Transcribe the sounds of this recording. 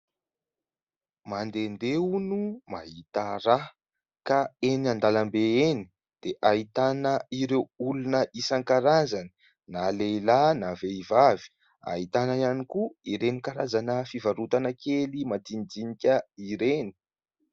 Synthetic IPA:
mand̪end̪ewnuma̰ɦit̪əɾa | kaeniand̪alambeeni̥ | d̪̥eʔait̪anəiɾewulunəʔisaŋkaɾazanə̥ | naleilanaveivavi̥ | a̰ɦit̪anaianikuiɾenikaɾazanəfivaɾut̪anəkelimat̪ind͡zinikʲəiɾeni̥

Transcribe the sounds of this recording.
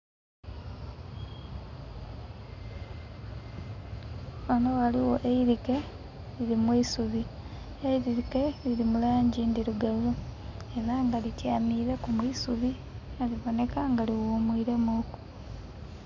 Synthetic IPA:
ono̞waliwo̞ʔeiɾike̞ | liɾimwisuβi | eiɾiike̞liɾimulaːɲɟindiɾuɡaβu | eɾaŋɡalitjaːmiːɾe̞kumwiːsuβi | aliβo̞ne̞kaŋɡaliwuːmwiːɾe̞muku̥

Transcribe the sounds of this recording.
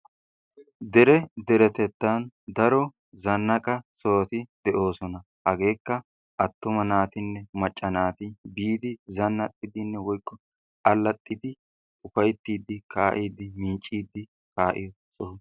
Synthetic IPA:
d̪ɛɾɛd̪ɛɾɛt̪ɛt̪ːand̪ɐɾɔ | zɐnːɐkʼɐsoːt̪ɪd̪ɛʔo̞ːsɔnɐ | hɐɡe̞ːkːɐ | ʔɐt̪ːʊmɐnaːt̪ɪnːɛmɐt͡ʃʼːɐnaːt̪ɪbiːd̪ɪzɐnːɐt̪ʼːɪd̪ɪnːɛwɔjkːɔ | ɐlːɐt̪ʼːɪd̪ɪ | ʊfɐjt̪ːiːd̪ːɪkʰaːʔiːd̪ɪmiːt͡ʃʼːiːd̪ːɪ | kaːʔɪ̰jɔ | sɔ

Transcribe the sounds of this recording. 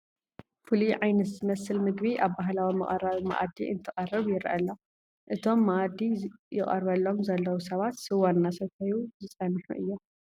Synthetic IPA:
fuliʕajnɐt̪zɨmɐsɨlmɨɡbiʔaβbaɦlawimɐχʼɐ̰raβima̰ʔa̰d̪ḭʔɨ̰nt̪ʰɨχʼɐrɨβjɪɾɐʔɐlːa | ʔɨt̪ʰo̞mːaʔad̪ijɪχʼɐ̰ɾβɐlːo̞mzɐlːɐwusɐβat̪sɨwanːasɐt̪ʰɐjuzɨsʼɐnħṵʔɨjːo

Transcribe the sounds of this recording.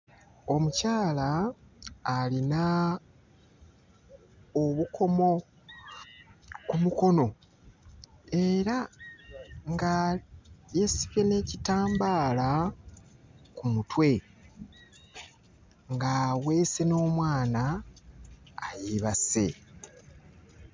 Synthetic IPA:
o̞mucaːlaː | lina | oβukʰo̞mo̞ | kumuko̞no̞ | e̞ɾa | ŋɡa | je̞si̥βe̞ne̞ːcitaːmbaːla | kumutwe̞ | ŋɡaːwe̞ːse̞no̞ːmwaːna | jiβase̞̰

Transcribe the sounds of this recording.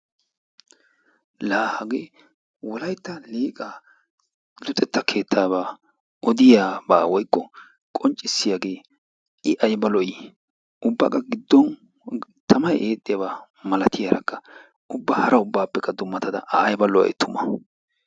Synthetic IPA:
laːhɐɡeː | wɔlɐjt̪ːɐliːkʼaː | lʊt̪ʼɛt̪ːɐkʰe̞ːt̪ʰːaːβaː | ʔɔd̪ɪjaːba̰ːwɔjkːɔ | kʼɔnt͡ʃʼːɪsːɪjaɡe̞ː | ɪʔɐjbɐlɔj | ʊbːɐ̰kʼːɐɡɪd̪ːɔn | t̪ʰɐmɐjʔeːt̪ʼːɪjabaː | mɐlɐt̪ʰɪjaɾʔɐ̰kʰːɐ | ʊbːɐhɐɾʔɐʊbːaːpːɛkːɐd̪ʊmːɐt̪ɐd̪ɐ̰ʔɐːjbɐlɔ̰j̰t̪ʰːʊmɐ

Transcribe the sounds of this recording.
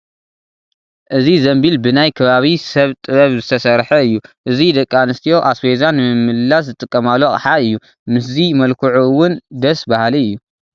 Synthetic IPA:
ʔɨzizɐmbilbɨnajkʰɐβaβisɐβt̪ʼɨβɐβzɨt̪ʰɐsɐɾħɐɨjːuʔɨzid̪ɐkʼːanɨst̪ʰijo̞ʔasfezanːɨmɨmːɨlːas̬zɨt̪ʼɨkʼːɐmalːoχʼɐħaɨjːu | mɨs̬zimɐlkʰuʕuwʊnd̪ɐsbahliɨjːu

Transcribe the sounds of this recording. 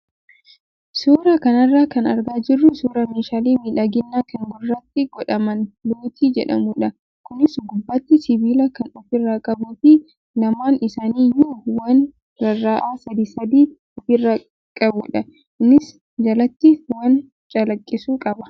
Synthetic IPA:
suːɾɐkɐnɐrːaːkɐnɐɾɡaːd͡ʒɪrːʊsuːɾɐmeːʃaːliːmiːᶑaːɡɪnːaːkɐŋɡʊrːɐt̪ːɪɡ̥ɔᶑɐmɐnloːt̪iːd͡ʒɛ̰ᶑɐ̰mʊᶑɐ | kʊnɪsɡʊbːɐt̪ːɪsɪbiːlɐkɐnɔfɪrːaːkʼɐbuːtiː | lɐmaːnɪsaːniːjuːwɐn | ɾɐrːaːʔaːsɐd̪iːsɐd̪iː | ɔfɪrːa | kʼɐbʊᶑɐ | ɪnːɪs | d͡ʒɐlɐt̪ːɪwɐn | t͡ʃʼɐlɐkʼːɪsuːkʼɐbɐ

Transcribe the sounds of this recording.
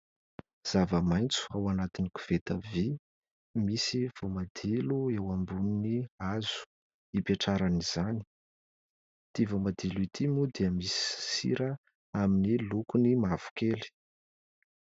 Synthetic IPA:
z̥avəmajnt͡su̥awanat̪iniku̥v̥et̪avi | misiv̥umad̪̥iluewambuniniaz̥u̥ | ipeʈ͡ʂaɾaniz̥ani̥ | t̪ivumad̪iluit̪ʰimud̪iəmisi̥sḭɾə | aminilukunimav̥u̥keli̥

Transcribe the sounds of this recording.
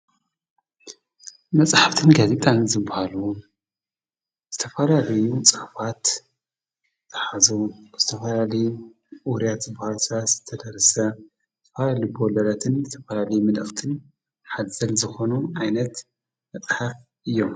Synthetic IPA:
mɐt͡sʼħaft̪ʰɨnɡaze̞t̪ʼanzɨbːahalu | z̥ɨt̪ʰɐfɐlalɐjut͡sʼɨħfat̪ | zʼɨ̥ħazuz̥ɨt̪ʰɐfɐlalɐju | ʔuwɾijat̪zɨbːahalsɨβat̪z̥ɨt̪ʰːɐd̪ɐɾɐsɐ | zɨt̪ʰɐfalalubolɐlat̪ʰɨnzɨt̪ʰɐfɐlalɐjumɨlɨxt̪ʰɨn | ħad̪zɐlzɨxo̞nuʕajnɐt̪ | mɐt͡sʼħaf | ʔɨjːo̞m

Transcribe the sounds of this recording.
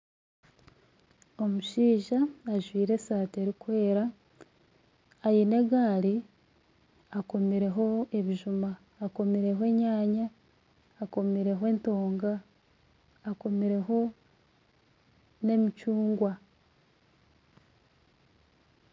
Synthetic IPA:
o̞muʃiːʒaːʒwiːɾe̞saːte̞ɾikwe̞ːɾa | jine̞ɡaːɾi | ako̞miɾe̞ɦo̞e̞βiʒumaː | ko̞miɾe̞ɦoe̞ɲaːɲaː | ko̞miɾe̞ɦwe̞ːnto̞ːŋɡaː | ko̞miɾe̞ɦo̞ | ne̞mit͡ʃuːŋɡwa

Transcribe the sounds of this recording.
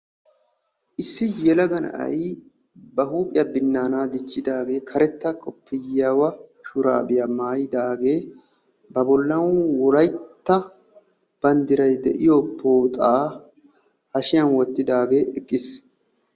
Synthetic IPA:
ʔɪsːɪjɛlɐɡɐnɐ̰ʔɐ̰j | bɐhuːpʼɪjɐbɪnːaːnaːd̪ɪt͡ʃːɪd̪aːɡe̞ːkʰɐɾɛt̪ːɐkʼɔpːɪjːaːwɐʃʊɾa̰ːbɪjamaːjɪd̪aːɡe̞ː | bɐbɔlːɐwɔlɐjt̪ːɐ | b̥ɐnd̪ɪɾɐjd̪ɛʔɪjoːpʰːoːt̪ʼaː | hɐʃɪjɐnwɔt̪ːɪd̪aːɡe̞ːʔɛkʼːɪs

